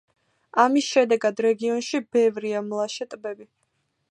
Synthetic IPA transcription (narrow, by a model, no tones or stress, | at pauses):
amisʃɛd̪ɛɡad̪ɾɛɡiɔnʃibɛvɾiamlˠaʃɛt̪ʼbɛbi